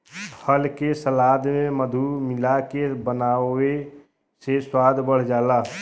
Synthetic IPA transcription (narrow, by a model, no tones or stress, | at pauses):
pʰəlkesəlaːd̪ʱmẽməd̪ʱumɪlakebənaːe | seswaːd̪ʱbəɽ̤d͡ʒaːlaː